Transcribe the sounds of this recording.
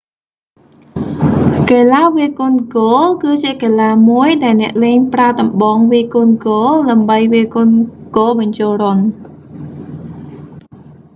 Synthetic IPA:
keːlaːʋiəkʊ̆nkoːlkɨːt͡ɕiəkeːlaːmuəjɗaɛlnɛ̆əʔleːɲpraət̪ɑmɓɑːŋʋiəkʊnkoːlɗaəmɓəjʋiəkʊ̆nkoːlɓɑɲt͡ɕoːlron

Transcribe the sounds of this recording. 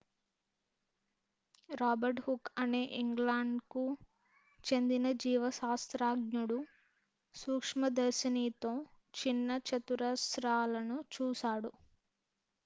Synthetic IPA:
ɾaːbɐɾʈhukːɐneːʔiŋɡlaːɳɖku | t͡ʃe̞nd̪inɐd͡ʒiːʋɐʃaːst̪ɾaːɡɲuɽu | suːkʂmɐd̪ɐɾsiniːt̪o̞ː | t͡ʃinːɐt͡ʃɐt̪uɾɐsɾaːlɐnut͡ʃuːsaːɽu

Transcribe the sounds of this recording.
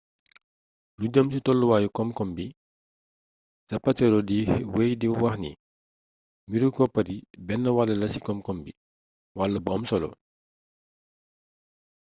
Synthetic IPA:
luɟəmsitɔlːuwaːjukɔmkɔmbi | sɐpːɐtɛɾɔdiwejdiwɐxnḭ | miɾukɔpːɐdibɛnːɐwalːɐlɐsi̥kɔmkɔmbi | walːɐbɔmsɔlɔ̰

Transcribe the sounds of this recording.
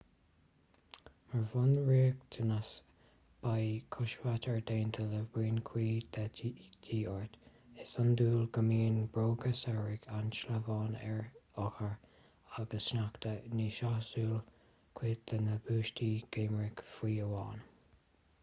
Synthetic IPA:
məɹvʊnɹiːəkt̪ʰənas | b̥ajkʰʊʃwat̪ʰəɹd̪eːnt̪ʰələwiːnkʰwiːd̪̥ad̥iːɔɹt̪ | ɪsʊnd̪uːlɡəmiːnbɹoːɡəsɛɹɪɡanʃləvɑːnɛɹɔxəɹ | aɡəsʃnakt̪əniʃahsuːl | kʰwiːd̪ənəbuːʃtiːɡ̥eːmɹɪɡ̥fwiːəwɑ̰ːn

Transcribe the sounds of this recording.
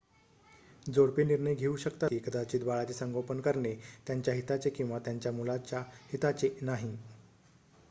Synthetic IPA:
d͡zoɽpeniɾɳəjɡʱeuɕəkt̪aikəd̪at͡ɕiːd̪baɭat͡sesəŋɡʱopənkəɾɳet̪jaɲt͡ɕjaɦit̪at͡sekĩw̃ʋat̪jaɲt͡ɕjamulat͡ɕjahit̪at͡senaɦi

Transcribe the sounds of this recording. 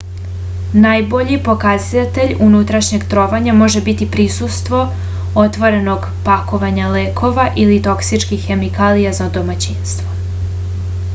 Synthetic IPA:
najbo̞ʎipo̞kazat̪eʎunut̪ɾaʃɲe̞ɡt̪ɾo̞ːʋaɲamo̞ʒe̞bit̪ipɾisust̪ʋo̞ | o̞t̪ʋo̞ɾe̞no̞ɡ | pako̞ʋaɲaleːkʰo̞ʋaʔilit̪o̞ksit͡ʃkixːe̞mikaːlijazad̪o̞mat͡ɕinst̪ʋo̞

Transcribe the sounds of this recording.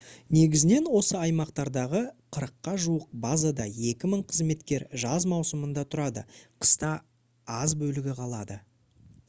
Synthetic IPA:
ne̞ɡʲɪzɪne̞nwo̞səɑjmɑqt̪ɑɾd̪ɑʁəqʰəɾəqːɑʒuəq̚bɑzad̪ɑje̞kʲɪməɴqʰəzme̞t̪kʲe̞ɾʒɑzmɑwsəmənd̪ɑt̪ʰʊɾɑd̪ə̰qʰə̥st̪ɑ | ɑzbɵlɪɡʲɪqʰɑlˠɑd̪ə

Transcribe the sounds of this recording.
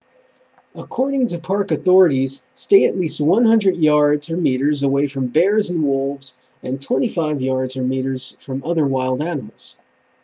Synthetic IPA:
əkʰɔɹɾɪ̃ŋtʰɨpʰɑɹkɨθɔɹɨɾiz̥steɪɨʔˡlist̚wʌ̃nhʌ̃ndɹɨdjɑɹdzə˞miɾə˞zəweɪfɹʌ̃mbɛɹzɨ̃n̩wʊlˠvz | ɨ̃ntʰw̥ɛ̃ɾ̃ifaɪvjɑɹdzə˞miɾə˞z̥fɹʌ̃mʌðə˞waɪlˠdænəml̩ˠz̥

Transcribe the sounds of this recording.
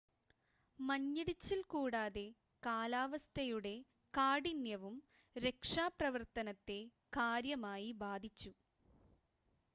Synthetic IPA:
mɐɲːiɽit͡ɕːilkuːɽaːðe̞ | kaːlaːʋɐst̪ʰɐjuɽe̞ | kaːɽinjɐʋum | ɾe̞kʂaːprɐʋɐrt̪ɐnɐt̪ːe̞ | kaːɾjɐmaːjibaːd̪ʱit͡ɕːu

